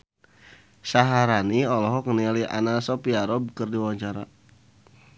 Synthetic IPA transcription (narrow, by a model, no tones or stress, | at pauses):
saɦaɾaniɔlɔɦɔkənialiʔa̰nasɔpiaɾɔb̚kərdiwaɲt͡ʃaɾa̰